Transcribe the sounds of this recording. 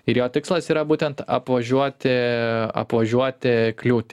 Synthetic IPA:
ɪɾjoːt̪ʲɪkslˠɐsiːɾɐbuːt̪ʲɛnt̪ɐ̰pʋɐʒʲuɔt̪ʲɪɐ̰pʋɐʒʲuɔt̪ʲɪklʲuːt̪ʲ

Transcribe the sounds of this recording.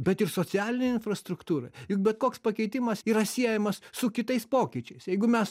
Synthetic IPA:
bʲɛt̪ɪrsoːt͡sʲæːlʲɪnʲeɪnfrɐst̪ɾʊkt̪uːɾɐ̰jʊk̚bʲɛt̪̚koːkspɐkʲɛɪt̪ʲɪmɐsiːɾɐsʲiɛjɛmɐssʊkʲɪt̪ɐɪspoːkʲɪt͡ʃʲɛɪsjɛɪɡʊmʲɛs

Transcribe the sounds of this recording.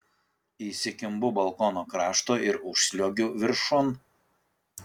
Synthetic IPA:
iːsʲɪkʲɪmbʊbɐlˠkɔːnoːkɾɑːʃt̪oːɪɾʊʃsʲlʲoːɡʲʊʋʲɪɾʃɔn

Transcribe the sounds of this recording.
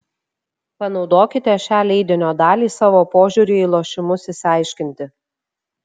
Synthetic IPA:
pɐnɒʊd̪oːkʲɪt̪ʲɛʃʲæːlʲɛɪd̪ʲɪnʲoːd̪ɑːlʲiːsɑːʋoːpoːʒʲuɾʲɪiːlˠoːʃʲɪmʊsɪsʲɑˑɪʃʲkʲɪnʲt̪ʲɪ

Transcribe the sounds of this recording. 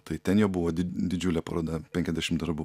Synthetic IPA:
t̪ɐɪt̪ʲɛnjoːbʊʋoːd̪ʲɪd̪ʲɪd͡ʒʲʊlʲɛpɐ̰ɾoːd̪ɐpʲɛŋʲkʲɛzʲd̪ʲæʃʲɪmd̪ɐɾbʊ

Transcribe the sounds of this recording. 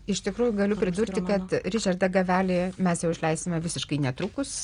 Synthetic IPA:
ɪʃt̪ʲɪkɾuːjʊɡɐlʲʊpʲɾʲɪd̪uːrʲt̪ʲɪkɐt̪ɾʲɪʒʲɐrd̪ɐɡɐʋʲæːlʲɪmʲɛsjɛʊɪʃʲlʲɛɪsʲt̪ʲɪmʲɛʋʲɪsʲɪʃkɐɪnʲɛt̪ɾuːkʊs

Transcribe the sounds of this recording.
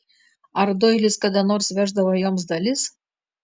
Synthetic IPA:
ɐɾd̪oːɪlʲɪskɐd̪ɐnoːɾsʋʲæʒd̪ɐʋɐjoːms̬d̪ɐlʲɪs

